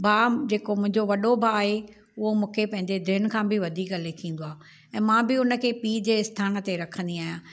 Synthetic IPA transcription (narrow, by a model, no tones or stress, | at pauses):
baːd͡ʑeːkomʊ̃ɦɪ̃ɲd͡ʑoʋɐɗobʱaaːɦe | ʊɦomũːkʰepɐ̃ɦɪ̃ɲd͡ʑed̪ʱɪnkʰãːbɪʋɐd̪ʱiːkɐlekʰĩːn̆d̪oaː | ɛ̃ːmãːbɪʊnə̆kʰeːpiːd͡ʑeːɪst̪ʰaːnə̆t̪eɾɐkʰə̃n̆d̪iaːɦijãː